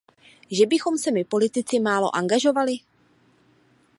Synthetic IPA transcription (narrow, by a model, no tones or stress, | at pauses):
ʒɛbɪxo̞msɛmɪpo̞lɪt̪ɪt͡sɪmaːlo̞ʔaŋɡaʒo̞valɪ